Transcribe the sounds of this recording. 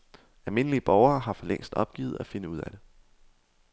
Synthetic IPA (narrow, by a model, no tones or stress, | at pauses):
ælme̝nəliəb̥ɒʊɐːɦɑ̈fɒ̽leŋ̰sd̥ɒ̽b̥̚ɡ̥ḭːð̩ˠæfe̝nəuð̞̰ˠæd̥e̝